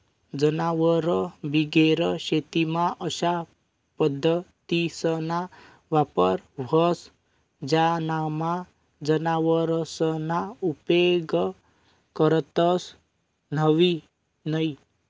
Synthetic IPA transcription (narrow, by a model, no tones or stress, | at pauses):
d͡ʒənaʋəɾɔbiɡeɾɔʃet̪imaʔəʃa | pəd̪ʱːət̪isəna | ʋapəɾbʱɔs | d͡ʒanama | d͡ʒənaʋəɾɔsənaupeɡ | kɔɾət̪əs | nʌʋi | nəj